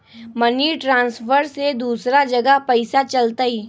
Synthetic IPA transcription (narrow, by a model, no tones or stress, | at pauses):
mɐniʈɾãːnsfəɾsed̪uːsɾad͡ʒɐɡəpɐɪsat͡ʃɐlt̪aɦiː